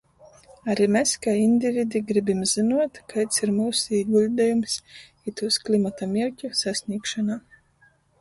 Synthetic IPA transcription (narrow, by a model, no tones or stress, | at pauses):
aɾimeskainʲd̪ʲivʲid̪iɡɾibʲimzinuɔt̪kat̪siɾmuːsiːɡulʲd̪ɛjums | it̪uːsklʲˠimat̪amʲiɾʲcʲusasʲnʲiɛkʃanaː